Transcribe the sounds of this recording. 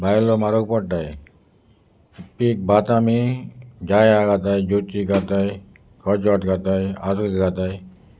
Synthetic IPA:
bajlomaɾokpɔɽʈaj | pik̚bʱat̪amid͡ʒajaɡat̪ajd͡ʒot̪iɡat̪aj | kɔd͡ʒɔʈɡat̪ajaslkɡat̪aj

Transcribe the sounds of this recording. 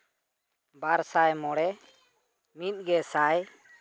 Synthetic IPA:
baɾsajmɔɽɛ | mit̪̚ˀɡɛsaj

